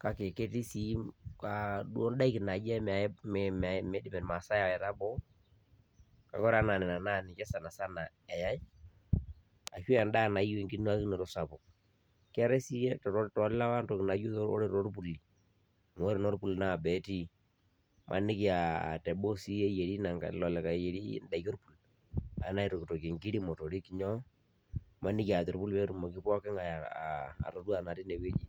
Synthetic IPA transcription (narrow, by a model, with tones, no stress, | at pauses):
ka˦ke˨ke˦ti˦si˦ka˨du˦ɔ˦nda˦i˦kɪ˨na˨d͡ʒɛ˦m˨a˨˦˨ma˨mɛ˦di˦mɛ˨ma˨sa˦ja˨wɛ˨ta˦bɔ˦ | ka̰˨kɔ˦ɾa˦na˨nɛ˨na˨na˦˨nɪ˨t͡ʃɛ˦sa˨na˨sa˦na˨ | ɛ˨ja˦ɪ˦ | a̰˨ʃu˦a˨nda˦˨na˨˦jɛ˨ŋɡi˦n˦a˦ki˦nɛ˨ɾɔ˦sa˨pɔ˨ | kɛ˦ɾɛ˦si˦ɛ˦tɾɔ˦ɾtɔ˨˦lɪ˦la˦wa˦ntɔ˨kɪ˨na˨jo˦ɔ̰˦ɾɛ˦˨ɾɔ˦ɾpu˨li˨ | m˨o˨˦ɾi˨nɔ˦ɾpu˨lna˦˨bɛ˨ti˦ | mʔa̰˨nɪ˦ki˨˦a˨tɛ˨ɓo˦si˦e˦je˨ɾi˦na˨ŋɡa̰˨lɔ˨lɛ˨ka˨je˨ɾḭ˦nda˨jo˦rpu˨l | a̰˨na˦i˦ɾɔ˨kto˨ke˨ŋɡi˦ɾi˦mɔ˨to˨ɾi˦ki˨ɲɔ˦ | ma˦nɪ˦ki˦a˨tɔ˨ɾpu˦lpe˦ɾu˦mɔ˨kɪ˦pɔ˦kɪ˦ŋa̰ː˨ | ɾo˨twa˨na˨ti˦ne˨we˦d͡ʒi˦